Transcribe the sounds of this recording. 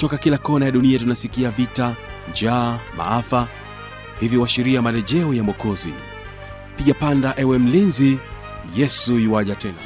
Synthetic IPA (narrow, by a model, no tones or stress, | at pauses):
tɔkakilakɔnajaɗuniatunasikiavita | d͡ʒaːma̰afa | hiviwaʃiɾiamalɛʄɛɔjamɔkɔzḭ | piʄapandaʔɛwɛm̩linzi | jɛsuiwaʄatɛna̰